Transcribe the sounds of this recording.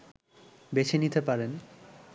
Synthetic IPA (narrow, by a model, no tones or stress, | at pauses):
bet͡ɕʰenit̪epaɾen